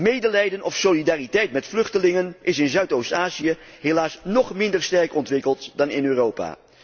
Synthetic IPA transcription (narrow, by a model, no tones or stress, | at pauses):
mejdəlɛjdənʔɔfsolidaːritɛjtmɛtflɵχtəlɪŋənʔɪsɪnzœɥtowstaːziə | ɦelaːsnɔχmɪndəɹstɛɹkɔntʋɪkəlˠtdɑnɪnøːrowpa̰ː